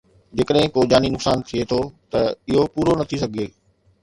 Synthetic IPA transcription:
d͡ʑeːkəɗɦɪ̃koːd͡ʑaːninʊksaːnt̪ʰiet̪ʰot̪ɐɪɦopuːɾonɐt̪ʰisɐɡʱeː

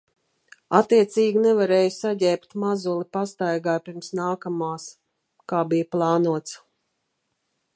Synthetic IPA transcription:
at̪ːiɛt̪siːɡʲinɛvaɾɛːjusaɟʲɛːpt̪mazulˠipast̪ajɡaːjpiɾmsnaːkamaːs | kaːbijaplˠɑːnuɔt̪s

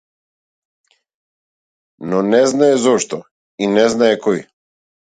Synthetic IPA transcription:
nɔnɛznaɛzɔʃt̪ɔ | inɛznaɛkɔj

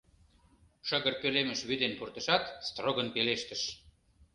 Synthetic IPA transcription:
ʃə̆ɣərkølemə̆ʃβyd̪enpurt̪ə̆ʃɑt̪st̪roɣənpeleʃt̪ə̆ʃ

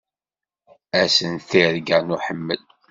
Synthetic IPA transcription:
æsənθiɾɡænuħəmːəl

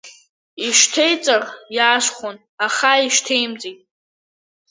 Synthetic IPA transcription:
iʃtʰejt͡sʼarjaːʂχʷon | aχaiʃtʰejmd͡zitʼ

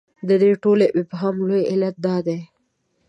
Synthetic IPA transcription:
d̪əd̪eʈoleʔɪpɦɑmlojɪlat̪̚d̪ɑd̪e

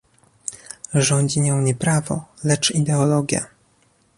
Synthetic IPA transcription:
ʐɔɲd͡ʑiɲɔ̃w̃ɲɛpɾavɔ̰lɛt͡ʂid̪ɛɔlɔɡʲja̰

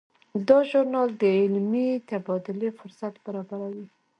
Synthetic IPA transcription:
d̪ɑʒʊɾnɑld̪əɪlmit̪abɑd̪ʊlefʊɾsat̪b̥aɾɑbaɾawi

